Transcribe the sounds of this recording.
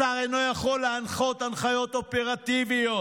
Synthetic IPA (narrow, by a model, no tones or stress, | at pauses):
aejno̞jaχo̞lːeanχo̞t̪anχajo̞t̪o̞peʁat̪ivijo